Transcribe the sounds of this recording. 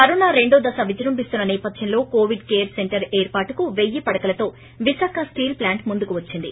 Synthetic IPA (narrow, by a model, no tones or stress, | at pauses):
ɐɾunaːɾe̞ɳɖoːd̪ɐsɐʋid͡ʒɐɾumpist̪unːɐnɛːpɐd̪ʱjɐnlo̞ːkoːʋiɖkeːɾse̞ɳʈɐɾeːɾpaːʈukuʋe̞jːipɐɽɐkɐlɐt̪o̞ː | ʋiʃaːkɐsʈiːlplaːɳʈmund̪ukuʋɐt͡ʃːind̪i